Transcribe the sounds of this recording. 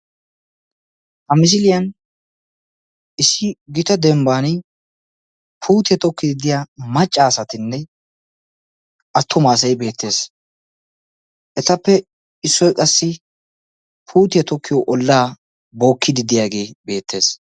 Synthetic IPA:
hɐmɪs̬ɪlɪjɐn | ʔɪsɪɡɪt̪ɐd̪ɛmbaːnɪ | pʰuːt̪ɪjɛt̪ɔkːɪd̪ɪd̪ɪjaːmɐt͡ʃʼːaːsɐt̪ɪnːɛ | ɐt̪ʰːʊmaːs̬ɐjbe̞ːt̪ʰːe̞ːs | ʔɛt̪ɐpːɛ | ɪsːɔjkʼɐsːɪ | pʰuːt̪ɪjɛt̪ɔkʰːɪjoʔɔlːaː | bo̞ːkʰːɪd̪ɪd̪ɪjaːɡe̞ːbe̞ːt̪ʰːe̞ːs

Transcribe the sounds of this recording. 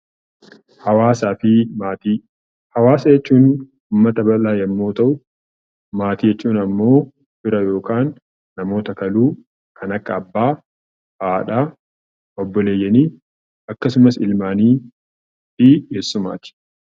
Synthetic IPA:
hɐwaːsaːfɪaːt̪i | hɐwaːsɐjɛt͡ʃːuːn | uːmːɐt̪ɐbɐlaːjɐmːo̞ːt̪ɐʔʊ | maːt̪iːd͡ʒɛt͡ʃːuːnɐmːo̞ː | bɪɾɐjo̞ːkʰaːnː | ɐmo̞ːt̪ɐkɐluː | kʰɐnɐkːɐːbːaː | faːᶑaː | ɔbːɔle̞ːjːɐniː | ɐkːɐsʊmɐsɪlmaːniː | fɪɡeːsːʊma̰ːt̪ɪ̥

